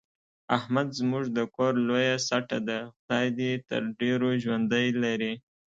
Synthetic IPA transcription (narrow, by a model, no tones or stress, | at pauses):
ahmad̪zmuʐd̪əkoɾlojasaʈad̪axd̪ɑjd̪jet̪ə̰ɾɖeɾoʒwand̪əjlaɾi